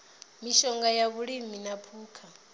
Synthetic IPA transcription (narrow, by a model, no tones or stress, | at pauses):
miʃɔŋɡajaβuɺiminapʰuːkʰa